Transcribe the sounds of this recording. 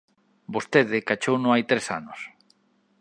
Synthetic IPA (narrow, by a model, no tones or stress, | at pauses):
bost̪eðɪkat͡ʃownõŋajt̪ɾesa̰nʊs